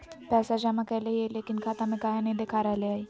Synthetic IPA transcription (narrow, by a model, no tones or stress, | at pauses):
pɛːsad͡ʒamãkɛleɦieleːkinkʰat̪amẽkaɦinɐɦid̪ekʰaːɾajleaːi